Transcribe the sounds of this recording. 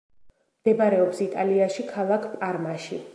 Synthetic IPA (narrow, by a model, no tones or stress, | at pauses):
md̪̥ɛbaɾɛɔpsit̪ʼaliaʃikʰalˠakʰpʼaɾmaʃi